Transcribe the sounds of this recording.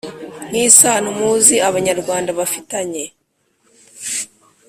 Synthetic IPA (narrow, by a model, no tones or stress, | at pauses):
n̥isaːn̥umuːziaβaɲaɾɡwaːndaβafitaɲe̞